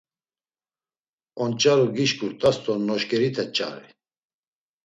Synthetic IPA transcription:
ɔnt͡ʃʼaɾuɡiʃkuɾt̪ʼast̪ʼɔnɔʃkʼɛɾit̪ʰɛt͡ʃʼa̰ɾḭ

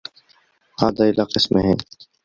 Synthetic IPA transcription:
haːd̪aɪlaːqɪsmeɦɛ̃ː

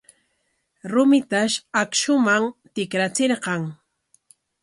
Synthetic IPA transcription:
ɾʊmɪt̪aʃakʃʊmaŋt̪ɪkɾat͡seɾqɑŋ

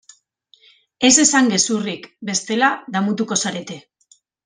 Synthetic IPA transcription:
e̞se̞saŋɡe̞surikbe̞st̪e̞laðamut̪uko̞saɾe̞t̪e̞

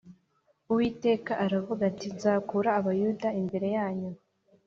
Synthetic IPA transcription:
uwiːte̞ːkaʔaɾavuɡatizaːkuɾaːβajudaimbe̞ɾe̞jaːɲu

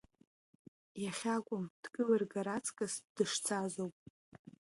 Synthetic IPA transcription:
jaχʲakʷʼʊmd̥kʼɨlarɡaɾat͡sʰʼkʼasd̥ɨʂt͡sʰazowpʼ

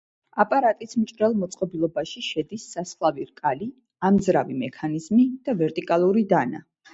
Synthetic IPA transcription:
apʼaɾat̪ʼismt͡ʃʼɾɛlˠmɔt̪sʼqʼɔbilˠɔbaʃiʃɛd̪isːasχlˠaviɾkʼali | amzɾavimɛkʰanizmid̪̥avɛɾt̪ʼikʼalˠuɾid̪ana̰

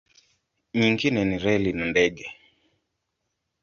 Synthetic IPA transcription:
ɲiŋɡinɛniɾɛlinandɛɡɛ

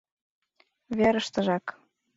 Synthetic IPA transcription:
βeɾə̆ʃt̪ə̆ʒɑk

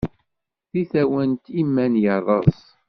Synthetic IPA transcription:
θiθæwənt̪imːænjərˤəsˤ

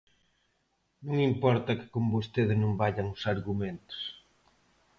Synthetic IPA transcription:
nõŋimpɔɾt̪ɐkɪ̥kombost̪eðenõmbaʎɐŋʊsaɾɣumẽnt̪ʊ̥s

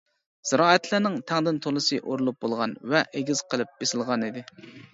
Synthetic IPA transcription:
z̥ɨɾɑːɛt̪ʰlænɪŋt̪ʰɛŋd̪ɪnt̪ʰolˠɨsɨʔoɾulˠup̚bolˠʁɑnvɛʔeɡʲiz̥qʰəlˠɨp̚b̥esɪlˠʁɑnid̪ɪ

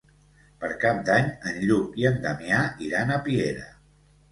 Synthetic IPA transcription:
pəɾkap̚d̪aɲənʎukiənd̪əmiaiɾanəpieɾə̰

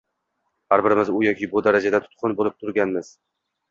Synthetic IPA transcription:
haɾbɪɾɪmɪzʊjɒkʲʰɪbʊd̪aɾad͡ʒad̪at̪ʰʊ̥t̪qʰʊnbolɪp̚t̪ʰʊɾɡʲanmɪz̥

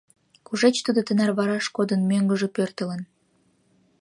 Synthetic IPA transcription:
kuʒet͡ɕt̪ud̪ot̪ənærβɑɾɑʃkod̪ənmøŋɡə̆ʒepørt̪ə̆lə̆n

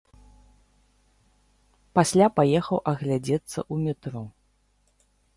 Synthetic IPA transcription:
pasʲlʲapajɛxɐwʔɐɣlʲad͡zʲɛt̪sːɐ̰ʔumʲɛt̪ɾɔ

